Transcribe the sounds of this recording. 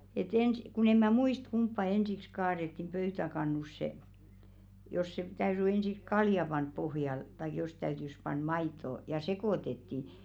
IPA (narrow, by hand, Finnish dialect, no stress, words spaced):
et ensĭ kun em̆ mæ muist kumpːɑ ensiks kɑːretːim pøytækɑnːusːe jos se tæyry ensiks kɑljɑ pɑnp pohjɑl tɑik jos tæytys pɑn mɑitˑo jɑ sekoˑtetːi